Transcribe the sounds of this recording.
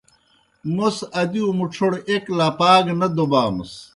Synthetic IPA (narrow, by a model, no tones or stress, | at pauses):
mosɐd̪iumuʈ͡ʂʰoɽeklaːpaːɡnɐd̪obaːmɐ̰s